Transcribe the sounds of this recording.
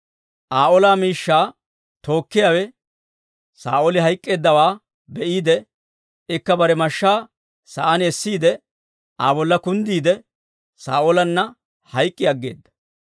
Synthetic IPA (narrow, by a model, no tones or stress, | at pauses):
ʔaːʔɔlaːmiːʃːaː | t̪o̞ːkːɪjaːwɛ | sa̰ːʔolɪɦɐjkʼːe̞ːd̪ːɐwaː | bɛʔiːd̪ɛ | ɪkːɐbɐɾɛmɐʃːaː | sɐʔɐnɛsːiːd̪ɛ | ʔaːbɔlːɐkʊnd̪iːd̪ɛ | sa̰ːʔolɐnːɐ | hɐjkʼːɪɐɡːe̞̰ːd̪ːɐ̥